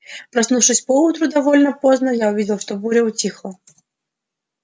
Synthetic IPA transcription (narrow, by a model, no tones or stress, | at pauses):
pɾɐsnufʂɨsʲpəut̪ɾʊd̪ɐvolʲnəpoznəjaʊvʲidʲɪlˠʂt̪obuɾʲəʊtʲixlˠə